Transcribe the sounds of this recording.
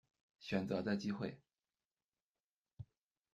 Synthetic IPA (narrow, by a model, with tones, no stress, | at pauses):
ɕɥɛ˨˩nt͡sɤ˧˥d̪ə˧t͡ɕi˥xwe˥˩ɪ